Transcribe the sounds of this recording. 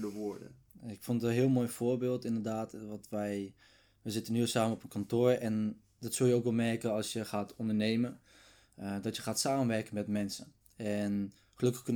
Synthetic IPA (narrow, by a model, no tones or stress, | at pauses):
dəʋʊɹdə̰ | ɪkfɔntnɦɪəlˠmoːjfoːɹbɪːlˠtɪndəɹdaːtʋɑtʋɛj | ʋəzɪtənyəsaːmənɔpənkɔntoːɹɛn | dɔtsɵlˠjəowkʋɛlˠmɛɹkəɑlˠsjəχaːtɔndəɹnejmə | dɑtjəχaːtsaːmənʋɛɹkənmɛtmɛnsən | ɛn | χəlɵkəχkɵn